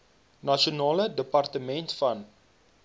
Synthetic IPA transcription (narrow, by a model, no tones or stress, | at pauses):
nɐʃionɑːlədəpɐrtəmɛntfɐn